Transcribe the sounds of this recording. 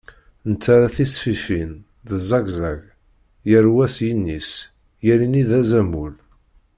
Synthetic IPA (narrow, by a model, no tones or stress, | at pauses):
nət͡sːaɾæθisfifin | ðəzˤɑɡzaʝ | jəɾwæsjinːis | jæɾiniðæzæmul